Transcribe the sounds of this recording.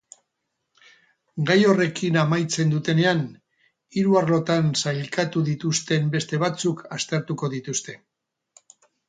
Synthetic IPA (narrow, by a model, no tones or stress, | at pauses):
ɡajo̞re̞kinamajt͡se̞nd̪ut̪e̞ne̞an | iɾuaɾlo̞t̪ansajlkat̪uðit̪ust̪e̞mbe̞st̪e̞β̞at͡sukast̪e̞ɾt̪uko̞ðit̪ust̪e̞